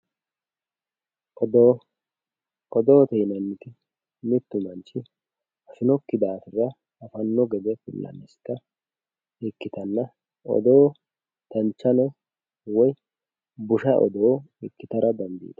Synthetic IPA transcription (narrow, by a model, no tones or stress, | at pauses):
ɔd̪ | ɔd̪oːt̪ɛjnɐnːɪt̪ɪ | mɪt̪ːʊmɐnt͡ʃːɪ | ɐsɪnɔkːɪd̪aːfɪrɐː | fɐnːɔɡɛd̪ɛfʊlːɐ̰nːɛst̪ːɐ | ɪkːɪt̪ɐnːɐ | ɔ̰d̪oː | t̪ɐnt͡ʃːɐnɔ | wɔj | bʊʃɐʔɔ̰d̪oː | ɪkːɪt̪ɐɾɐd̪ɐnd̪ḭːd̪̥ɐ̥